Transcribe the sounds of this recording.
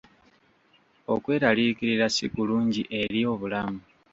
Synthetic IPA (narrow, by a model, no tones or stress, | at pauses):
o̞kwe̞ːɾaliːkiɾiɾasikuluːɲɟiʔe̞ɾio̞ːβulamu